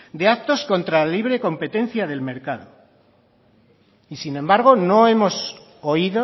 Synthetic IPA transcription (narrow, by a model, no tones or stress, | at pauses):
d̪e̞ak̚t̪o̞sko̞nt̪ɾaliβɾe̞ko̞mpe̞t̪e̞n̟θjaðe̞lme̞ɾkaðo | isinẽ̞mbaɾɣ̞o̞no̞e̞mo̞s | oiðo